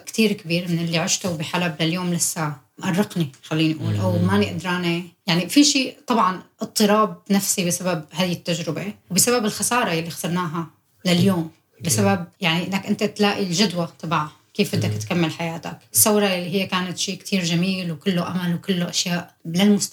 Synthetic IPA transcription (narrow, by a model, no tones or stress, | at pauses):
kt̪iːɾkabiːɾmɪnɪlːiʕɪʃt̪ubiħalablaljoːmlasːaːʕ | ʔɑrˤːɪqnixalːiːniʔuːlʔawmaːniʔad̪ɾˤaːnejaʕnifiʃiːt̪ˤɑbʕɑnʔɨt̪ˤːɨɾɑːb̚nafsibɪsababhaːjɪt̪ːaʒɾɪbewbɪsababɪlxasɑːɾˤɑjalːixsɑɾˤnaːɦa | laljoːm | bɪsabab̚jaʕniʔɪnːakʔɪnt̪at̪laːʔilʒʊd̪wat̪ˤɑbʕa | keːfbɪd̪ːakt̪kamːalħajaːt̪akɪsːawɾˤɑjalːiɦɪjːakaːnat̪ʃiːkt̪ʰiːɾʒamiːlwkɪlːuʔamalwkɪlːuʔaʃjaːʔlalmʊs